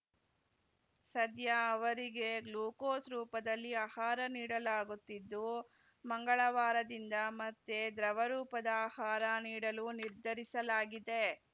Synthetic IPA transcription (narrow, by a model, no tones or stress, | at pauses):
sɐd̪jɐːʋɐɾiɡe̞ɡluːkoːsɾuːpɐd̪ɐlːiaːhaːɾɐniːɽɐlaːɡut̪ːid̪ːu | mɐŋɡɐɭɐʋaːɾɐd̪ind̪ɐmɐt̪ːed̪ɾɐʋɐɾuːpɐd̪ɐaːhaːɾɐniːɽɐluniɾd̪ʱɐɾisɐlaːɡid̪e̞